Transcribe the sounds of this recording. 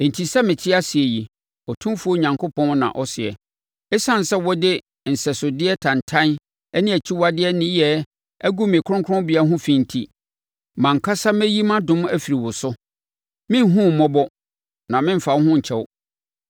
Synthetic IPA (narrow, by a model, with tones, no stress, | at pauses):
n̩˨tʰi˨sɛ˦mɪ̃˨t͡ɕʰɪ˦a˦sɪ˨ɛ˨ji˨ | ɔ˨tʰũ˦fu˦o˦˨ɲã˨ŋkʰʊ˦pʰɔ̃˦n˦nã̰˨ʔɔ˦sɪ˨ɛ̰˨ | ɛ˦sã˦˨n̩˨sɛ˦wɔ˦dɪ˦ | n̩˨sɛ˨sʊ˨dɪ˦ɛ˦tʰã˨n˨tʰã˦n | ɛ˦nɪ̃˦æ˨t͡ɕʰi˦wa˦dɪ˦ɛ˦nɪ̃˦jɛ˦ | æ˦ɡu˦mɪ̃˨kʰʊ̃˦ŋkʰʊ̃˦bɪ˨a˦ɦʊ̃˦fĩ˨n̩˨tʰi˦ | mã˨ŋ̩˨kʰa˦sa˦mɛ̃˦ji˦mã˦dʊ̃˦m˦æ˦fi˨ɾi˨wɔ˨sʊ˦ | mɪ̃˦n˦ɦũ˦˨mɔ̃˦bɔ˦ | nã˨mɪ̃˦m̩˦fa˨whʊ̃˦ɲ̩˨t͡ɕʰɛ˦wʊ˦